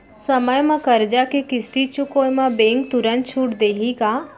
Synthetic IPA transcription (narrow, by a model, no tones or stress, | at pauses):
səməjmãkəɾd͡ʒakekɪst̪it͡ʃʊkoːjmãbeːŋk̚t̪ʊɾə̃nt͡ʃʰuːʈd̪eːɦika